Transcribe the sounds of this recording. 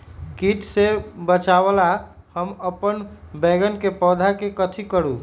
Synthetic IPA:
ɡiʈsebət͡ʃabəla | həməpənbɛɡənkepɔd̪ʱakekət̪ʰikəɾu

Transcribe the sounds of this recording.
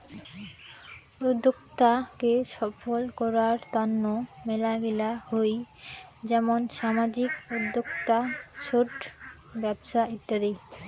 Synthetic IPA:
ud̪ʱːokt̪akeʃɔfolkɔɾaɾt̪ɔnːomɛlaɡilahoj | d͡ʑɛmonʃamad͡ʑikud̪ːokt̪aʃoʈ | bɛbʃait̪ːad̪ej

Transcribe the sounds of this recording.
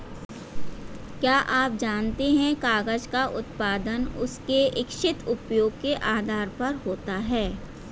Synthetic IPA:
kjaːʔaːp̚d͡ʒaːnt̪eɦɛ̃kaːɡəd͡ʒkaʔʊt̪paːd̪ənʊskeɪkʃɪt̪ʊpjoːɡkeʔaːd̪ʱaːɾpɐɾɦoːt̪aɦɛː

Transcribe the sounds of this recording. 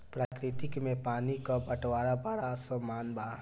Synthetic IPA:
pɾaːkɾɪt̪ɪkmẽpaːnikabəʈwaːɾapaːɾasomaːnbaː

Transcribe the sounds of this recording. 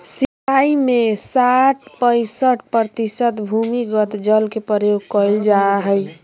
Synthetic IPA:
sipʰaimesaʈpəɪsəʈpɾət̪isət̪bʱumiɡət̪d͡ʒəlkepəɾjoɡ̚kɔld͡ʒaɦəj

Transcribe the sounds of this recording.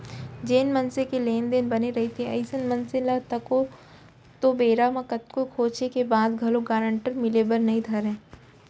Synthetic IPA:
d͡ʒeːnmɐ̃nsekeleːnd̪eːnbɐneɾɐɦit̪ʰeɐɪsənmɐ̃nselat̪ɐko | t̪obeːɾamãkɐt̪̚kokʰoːt͡ʃekebaːd̪ɡʱɐloɡaːɾə̃ɳʈəɾmɪlebəɾnɐɦĩd̪ʰʱɐɾẽː

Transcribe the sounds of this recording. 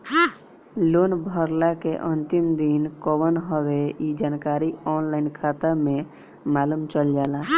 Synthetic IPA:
loːnbʱəɾlakeʔənt̪imd̪inkɔbənɦəweid͡ʒaːnkaːɾiɔːnlaɪnkʰaːt̪əmẽ | maːlumt͡ʃəld͡ʒaːlaː

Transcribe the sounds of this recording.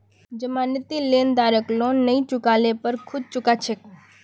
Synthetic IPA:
d͡ʒəmanɪt̪ileːnd̪aɾəklõnnːəĩt͡ʃʊkalepəɾkʰʊd̪̚t͡ʃʊkat͡ʃʰek

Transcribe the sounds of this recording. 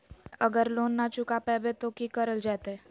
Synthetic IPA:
ɐɡəɾloːnːat͡ʃʊkapɛːbet̪okikəɾəld͡ʒaːt̪ɛː

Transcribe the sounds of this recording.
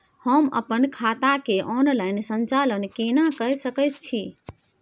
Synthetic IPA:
həmə̰pənkʰat̪akeʔɔnlajnsənt͡ʃalənkenakəsəkət͡ʃt͡ʃʰi

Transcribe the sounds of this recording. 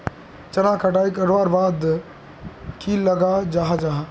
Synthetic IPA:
t͡ʃɐnãkʰɐʈaːikɐɾʋaːɾbaːd̪ | kʰilɐɡad͡ʒaːɦad͡ʒaːɦ

